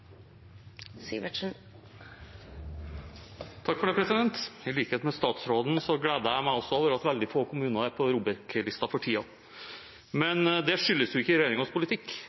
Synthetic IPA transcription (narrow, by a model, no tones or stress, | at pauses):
sḭʋəʂn | t̪ʰɑkːfɔɖeːpʰɾɛsɪd̪ɛnt̪ɪliːkəheːt̪mɛst̪ɑːt̪sɾoːd̪n̩sɔɡleːd̪əæɪmæɪɔsːɔoːʋəɾɑt̪ʋɛld̪ɪfoːkʰʊmʉːnəæpʰɔɾuːbəɾklɪst̪ɑfɔʈʰiːɑ | mɛnd̪ɛʂʏlːəsjʊɪkːəɾɛjeːɾɪŋɑspʊlɪt̪ʰɪkː